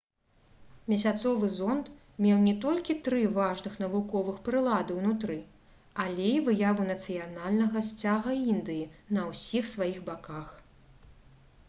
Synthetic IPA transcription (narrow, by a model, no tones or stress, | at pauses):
mʲɛsʲat̪sɔvɨzɔnt̪ | mʲɛwnʲɛt̪ɔlʲkʲit̪ɾɨvaʐnɨxn̪ɐvukɔvɨxpɾɨlˠad̪ɨwnut̪ɾɨ | alʲejvɨjavunɐt̪sɨjanalʲnɐɣɐsʲt͡sʲaɣɐind̪ɨjinɐwsʲixsvajiɣbakax